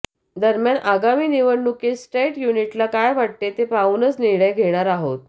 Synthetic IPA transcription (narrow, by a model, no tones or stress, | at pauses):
d̪əɾmjanʔaɡamiːniʋəɳːukesʈɾeʈjuniʈlakajʋaʈ̚t̪et̪epaunət͡sniɭəjɡʱeɽ̃aɾaɦot̪̚